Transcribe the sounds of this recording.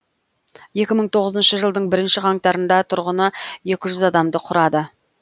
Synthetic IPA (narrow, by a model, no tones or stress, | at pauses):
je̞kʲɪməɴt̪ʰo̞ʁəzənʃəʒəlˠd̪əɴbɪɾɪnʃɪʁɑŋt̪ɑɾənd̪ɑt̪ʰʊɾʁənəje̞kʲɪʒʏzɑd̪ɑmd̪əqʰʊɾɑd̪ə